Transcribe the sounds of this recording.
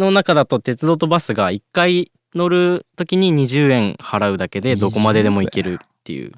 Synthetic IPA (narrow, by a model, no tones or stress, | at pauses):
no̞nakad̪at̪o̞t̪e̞t͡sɨd̪o̞t̪o̞basɨɡaikːai | no̞ɾɯ̟t̪o̞kʲiɲ̟iɲ̟iʑɨːẽ̞ŋhaɾaɯ̟d̪ake̞d̪e̞d̪o̞ko̞mad̪e̞d̪e̞mo̞ike̞ɾɯ̟t̪ːe̞̰jɯ̰ː